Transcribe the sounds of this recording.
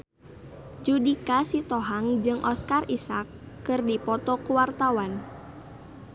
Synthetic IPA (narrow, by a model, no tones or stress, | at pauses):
d͡ʒudikasit̪ɔɦaŋd͡ʒɨŋʔɔskarisakː | ɨrdipɔt̪ɔkuwart̪awan